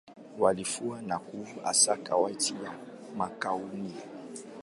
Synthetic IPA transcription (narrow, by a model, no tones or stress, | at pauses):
walifuanakuvuʔa̰sakawaitija | makauni